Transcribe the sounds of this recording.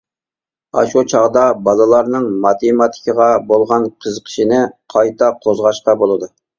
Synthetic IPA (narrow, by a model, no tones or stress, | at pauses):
ɑ̰ʃut͡ʃʰɑʁd̪ɑbɑlˠɨlˠɑɾnɨŋmɑt̪ʰemɑt̪ʰɪ̥kʲʰəʁɑbolˠʁɑnqʰəzəqʰə̥ʃinɪqʰɑjt̪ʰɑqʰozʁɑʃqɑbolˠɨd̪u